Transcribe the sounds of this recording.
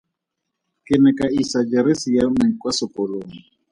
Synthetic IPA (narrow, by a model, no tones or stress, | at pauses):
kɪnɛkʼaisad͡ʒaɾɪsijamɛkʼwasɔpʼɔloːŋi